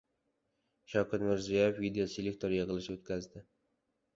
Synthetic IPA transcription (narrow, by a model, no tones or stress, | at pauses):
ʃɒwkʰʲat̪mɪɾzijajefːid̪ejoselʲek̚t̪ʰoɾjɨʁɨlˠɪʃɪot̪kʲʰazd̪ɪ